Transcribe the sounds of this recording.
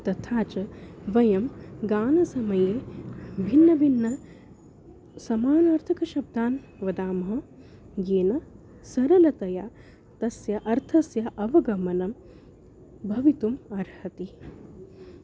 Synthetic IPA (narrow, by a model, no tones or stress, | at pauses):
t̪ɐt̪ʰaːt͡ʃɐʋɐjɐmɡaːnɐsɐmɐjeːbʱinːɐbʱinːɐ | sɐmaːnaːɾt̪ʰɐkɐʃɐb̚d̪ʱaːn | ʋɐd̪aːmɐɦɐ̆ | jeːnɐ | sɐɾɐlɐt̪ɐjaː | t̪ɐsjɐʔɐɾt̪ʰɐsjɐʔɐʋɐɡɐmɐnɐm | bʱɐʋit̪umɐɾhɐt̪i